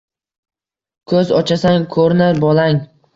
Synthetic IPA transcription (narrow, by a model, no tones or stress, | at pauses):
kʰɵzɒt͡ʃʰasaŋkʰɵɾnaɾbɒlaŋ